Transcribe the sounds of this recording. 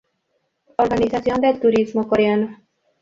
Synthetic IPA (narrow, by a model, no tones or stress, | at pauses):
orɡɑnizaːt̪sijond̪ɛd̪t̪uɾizmokoɾøn